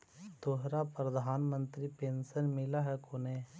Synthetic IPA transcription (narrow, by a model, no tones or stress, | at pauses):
t̪oɦɾapɾəd̪ʱaːnmə̃nt̪ɾipeːnsənmɪlaɦɛkoneː